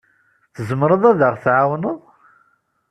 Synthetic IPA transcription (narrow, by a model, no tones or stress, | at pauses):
θəzəmɾˤəðˤæðəʁθʕawnəðˤ